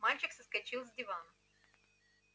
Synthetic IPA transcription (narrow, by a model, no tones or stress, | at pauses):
malʲt͡ɕɪksəskɐt͡ɕilˠzʲdʲɪvanə